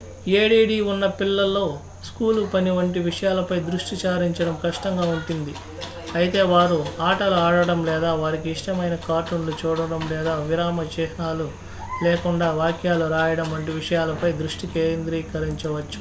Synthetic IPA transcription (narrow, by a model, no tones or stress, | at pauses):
eːɽiːɽiːunːɐpilːɐlːo̞ː | skuːlupɐniʋɐɳʈiʋiʂɐjaːlɐpɐjd̪ɾuʂʈit͡ʃaːɾiɲt͡ʃɐɽɐmkɐʂʈɐŋɡaːuɳʈund̪i | ɐjit̪e̞ːʋaːɾuaːʈɐluaːɽɐɽɐmlɛːd̪aːʋaːɾikiːʂʈɐmɐjnɐkaːɾʈuɳlut͡ʃuːɽɐɽɐmlɛːd̪aːʋiɾaːmɐt͡ʃɛːʃnaːlu | leːkuɳɖaːʋaːkjaːluɾaːjɐɽɐmɐɳʈiʋiʂɐjaːlɐpɐjd̪ɾuʂʈikeːnd̪ɾiːkɐɾiɲt͡ʃɐʋɐt͡ʃːu̥